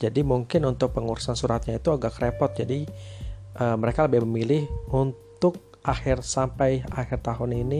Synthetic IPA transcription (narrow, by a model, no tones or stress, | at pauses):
d͡ʒadimuŋkɪnunt̪ʊk̚pəŋuɾusansuɾat̪̚ɲait̪uaɡakɾepɔt̪̚d͡ʒadi | ʔəːməɾekaləbɪhməmilɪhunt̪ʊk̚ | ʔaxɪrsampajaxɪrt̪aɦʊnini